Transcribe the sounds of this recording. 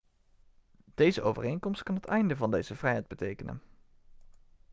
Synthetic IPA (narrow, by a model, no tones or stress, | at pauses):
d̥ejzəʔowvə̰rejnkɔmst̚kɑnɦətɛjndəvɑndejz̥əvrɛjɦɛjd̚bətejkənə̰n